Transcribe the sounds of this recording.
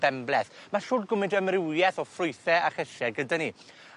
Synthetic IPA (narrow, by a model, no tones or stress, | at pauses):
b̥ɛmblɛθmaɬʊːdɡʊmɪdəmrɪwjɛθɔfrʊɨθɛaχəʃɛɡədani